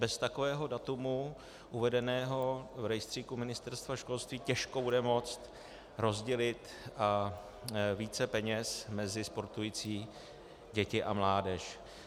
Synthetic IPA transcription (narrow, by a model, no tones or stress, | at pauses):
bɛst̪ako̞vɛːɦo̞dat̪umu | ʔuvɛdɛnɛːɦo̞vɾɛjst̪r̥iːkumɪnɪst̪ɛɾst̪vaʃko̞lst̪viːcɛʃko̞budɛmo̞t͡st̪ | ɾo̞zɟɛlɪt̪ | ʔa | viːt͡sɛpɛɲɛsmɛzɪspo̞ɾt̪ujiːt͡siː | ɟɛcɪʔa̰mlaːdɛʃ